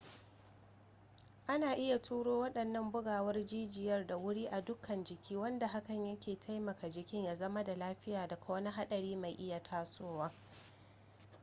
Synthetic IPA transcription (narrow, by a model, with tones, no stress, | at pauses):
ʔa˦naː˨ʔɪ˦ja˨tʰuː˦ɽoː˦wɐ˦ɗɐ˨nːɐ˦mbʊ˦ɡaː˨wɐ˦rd͡ʒiː˦d͡ʒɪ˨jɐ˦rda˨wʊ˦ɽiː˦ʔa˨dʊ˦kʰːɐ˨nd͡ʒɪ˨kʲʰiː˦wɐ˦nda˨ɦa˦kɐ˨ɲjɐ˦kʲeː˨tʰa˦jmɐ˨ka˨d͡ʒɪ˨kʲɪ˦ɲjaː˨zɐ˦ma˦da˨laː˦ɸɪ˦jaː˨da˨ka˦wɐ˦ni˦ɦa˦ɗɐ˨ɽiː˦ma˨jʔɪ˦ja˨tʰaː˦soː˦waː˦